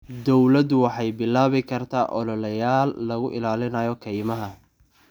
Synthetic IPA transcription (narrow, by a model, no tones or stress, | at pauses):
d̪ɔwlɐd̪wɑħɑjbɪlaːβɪkʰɐrt̪ʰaːʔɔlɔlɐjaːlːɐɣʊʔɪlaːlɪnɐjɔkʰɛjmɐɦɐ